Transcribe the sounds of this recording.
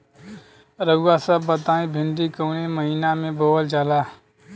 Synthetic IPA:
ɾəɡasəbːət̪aːĩbʱɪɳɖikoːneməɦinamẽboːəld͡ʒalaː

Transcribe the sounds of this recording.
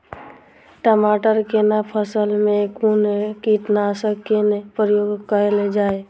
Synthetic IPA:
ʈəmaːʈəɾkenapʰəsəlmẽkunekit̪nasəkkenepɾəjoːɡkəɾeled͡ʒaːe

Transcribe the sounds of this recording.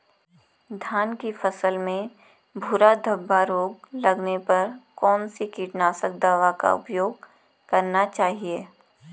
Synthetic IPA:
d̪ʱjaːnkifɐsəlmẽ | bʱuːɾad̪ʱəbːaɾoːɡlɐɡnepɐɾkɔːnsekiːʈnaːsək̚d̪aːʋaka̰ʊ̰pjoːɡ̚ | kɐɾnat͡ʃaːɦieː

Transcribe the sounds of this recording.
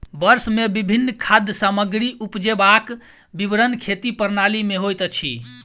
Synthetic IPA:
bəɾsmebibʱinːkʰad̪ʱjəsaməɡɾiʔupd͡ʒebak | biʋɾənkʰet̪ipəɾnalimeɦojt̪t͡ʃʰḭ

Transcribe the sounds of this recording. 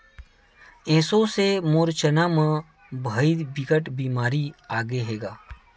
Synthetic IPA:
ẽːsõsemoːɾt͡ʃənamə̃ | bʱəibɪkəʈbiːmaːɾiaːɡeɦeːɡaː

